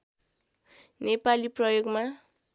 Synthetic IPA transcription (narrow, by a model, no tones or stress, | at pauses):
nepaliprʌjoɡma